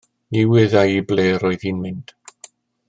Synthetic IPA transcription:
iwɪðajibleːɾɔɨðinmɪnd̥

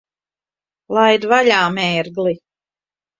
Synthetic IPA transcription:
lˠajd̪vaʎaːmɛːɾɡli

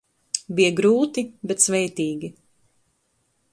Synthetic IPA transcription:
bijɛɡɾuːt̪ibɛt̪svɛjt̪iːɡi

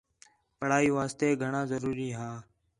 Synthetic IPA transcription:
pəɽ̤aːiːʋaːst̪eːɡʱəɳãːzəɾuːɾiːɦãː

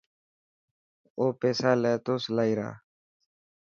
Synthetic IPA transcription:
oːpeːsaːleːt̪oːslaːiɾa̰ː

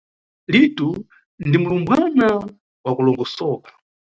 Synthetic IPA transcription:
litu | ndimulumbwana | wakulɔŋɡɔsɔːkḁ

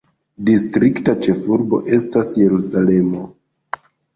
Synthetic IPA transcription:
distɾiktat͡ʃe̞fuɾbo̞̰ʔe̞stasje̞ɾusale̞mo̞

